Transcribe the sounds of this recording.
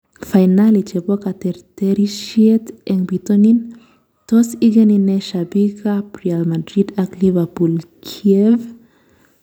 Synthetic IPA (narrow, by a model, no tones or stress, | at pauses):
fajnalit͡ʃebokat̪eɾt̪eɾiʃiet̪eŋbit̪onin | t̪osiɡenineʃabikapɾealmad̪ɾid̪aklivɛpulkʰiev